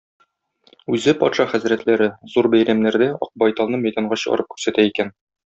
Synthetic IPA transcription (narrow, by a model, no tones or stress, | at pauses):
ʉzɘpɒt̪ʃɑχæzɾæt̪læɾɘzuɾbæjɾæmnæɾd̪æɒ̰q̚bɒjt̪ɑlˠnɤmæjd̪ɑɴɢɑɕɤ̆ʁ̰ɾɤp̚kʉ̥ɾsæt̪æikæn